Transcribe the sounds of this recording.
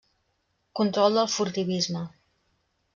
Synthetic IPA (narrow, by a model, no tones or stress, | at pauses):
kunt̪ɾɔlˠd̪əlˠfuɾt̪iβizmə